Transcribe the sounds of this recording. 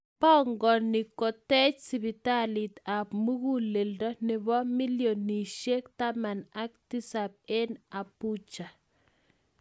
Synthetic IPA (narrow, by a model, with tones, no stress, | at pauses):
pɔ˦ŋɡɔ˨ni˨kɔ˨tɛ˦t͡ʃsi˨bi˨ta˦li˨ta˨pmu˦ɣu˦le˨ldɔ˦nɪ˨βɔ˦mi˦ljo˨nːi˨ʃje˦kta˦ma˨na˦k̚ti˦sa˨p̚e˦na˨pu˦t͡ʃa˨